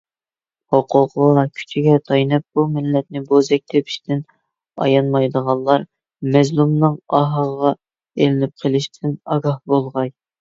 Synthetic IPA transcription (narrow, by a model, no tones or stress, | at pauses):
hoqʰʊqlˠɑkʲʰy̥t͡ʃʰiɡʲɛt̪ʰɑjnɨp̚bumɪlːɛt̪̚nɪbozɛk̚ʲt̪ʰepʰi̥ʃt̪ʰɪn | ɑ̰jɑnmɑjd̪əʁɑnlˠɑɾ | mɛzlumnɨŋɑɦɑʁɑ | elɪnɪp̚qʰəlˠɪʃt̪ʰɪnɑɡɑhbolˠʁɑj